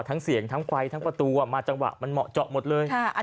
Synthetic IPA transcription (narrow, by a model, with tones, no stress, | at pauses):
t̪ʰa˦˥ŋsi˩˦əŋt̪ʰa˦˥ŋkʰwa˧jt̪ʰa˦˥ŋpɾa˧t̪uː˧a˨˩maː˧t͡ɕa˧ŋwa̰˨˩ʔma˧nmɔ̰˨˩t͡ɕɔ˨˩ʔmo˨˩t̪̚lɤː˧jkʰa˥˩˧